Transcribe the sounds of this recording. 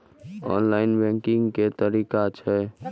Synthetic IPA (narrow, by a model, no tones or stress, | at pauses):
ɔ̰nlainbɛ̃ŋkiŋɡket̪əɾikat͡ʃʰɛ